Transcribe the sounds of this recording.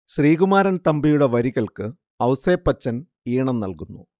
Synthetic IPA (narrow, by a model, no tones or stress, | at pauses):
ɕriːɣumaːɾɐnt̪ɐmbijuɽe̞ʋɐɾiɣɐɭkɨ | ɐwseːpːɐt͡ɕːɐn | iːɳɐnnɐ̰lkunːṵ